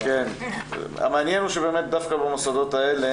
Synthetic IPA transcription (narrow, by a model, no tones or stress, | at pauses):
ken | a̰meanjenuʃebe̞ːme̞t̚d̪afkabemosod̪o̞t̪aele